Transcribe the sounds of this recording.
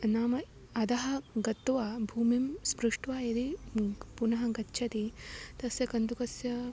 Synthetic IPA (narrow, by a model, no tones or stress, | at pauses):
naːmɐ | ɐd̪ɐɦɐɡɐt̪ːuʋaːbʱuːmimspɾuʂʈʋaːid̪ipunɐɦɐɡɐtːʃʰɐt̪it̪ɐsjɐkɐnd̪ukɐsjɐ